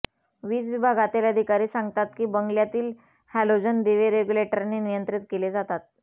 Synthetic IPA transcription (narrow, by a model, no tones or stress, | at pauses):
ʋiːt͡sʋibʱaɡat̪eləd̪ʱikaɾiːsãŋɡt̪at̪kiːbəŋɡljat̪iːl | hælod͡zənd̪eʋeɾeɡuleʈəɾnenijənt̪ɾit̪keled͡zat̪at̪̚